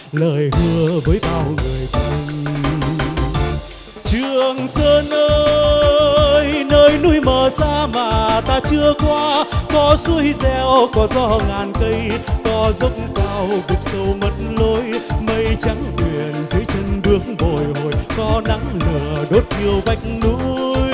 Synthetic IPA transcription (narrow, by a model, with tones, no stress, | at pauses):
ləː˨˩jhɨ˧əvəː˨˦jɓaː˧˩wŋɨ˨˩əjt̪i˧ŋ | t͡ɕɨ˨˩əŋsəː˧nʔəː˧ | jnəː˧jnu˧˥əjməː˨˩saː˧maː˨˩t̪aː˧t͡ɕɨ˧əkwaː˧kɔ˨˦su˧˦əjzɛ˧wkɔ˨˦zɔ˧˩ŋaː˨˩nkə˧jkɔ˨˦zə˦wk͡pŋ͡mkaː˧wzɨ˨˩k͡p̚sə˧wmə˨˦t̚nlo˧˦jmə˧jt͡ɕa˨˦ŋkwi˨˩ənzə˨˦jt͡ɕə˧nɓɨ˨˦əkŋɓo˨˩jɦo˨˩jkɔ˨˦na˨˦ŋlɨ˨˩əɗo˦˥t̚ki˧əwva˨˦jk̟̚nu˧˥˧j